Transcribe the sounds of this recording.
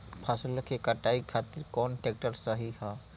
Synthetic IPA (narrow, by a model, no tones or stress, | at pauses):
pʰasulokekɐʈaːikʰaːt̪ɪɾkɔːnʈek̚ʈəɾsəɦihaː